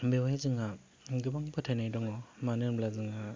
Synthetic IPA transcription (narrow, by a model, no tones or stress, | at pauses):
bewjazɯŋa | ɡɯbaŋpʰɯtʰanajdɔŋɔmanɯnblazɯŋa